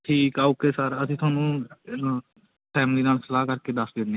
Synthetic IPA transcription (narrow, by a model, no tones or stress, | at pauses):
ʈʰiːkaːuːkeːsəɾəsĩːt̪ʰʊaːnũː | ʈʰɛːmd̪iːnaːlsəlaːkəɾkeːd̪əsd̪ẽːne